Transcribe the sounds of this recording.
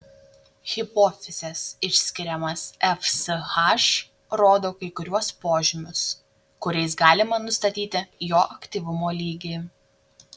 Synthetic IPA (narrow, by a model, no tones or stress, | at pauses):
ɣʲɪpoːfʲɪsʲɛsɪʃʲsʲkʲɪɾʲɛmɐsɛfsxɑʃ | ɾoːd̪oːkɐɪkʊɾʲuɔspoːʒʲɪmʲʊs | kʊɾʲɛɪs̬ɡɑːlʲɪmɐnʊst̪ɐt̪ʲiːt̪ʲɪjoːʔɐkʲt̪ʲiːʋʊmoːlʲiːɡʲi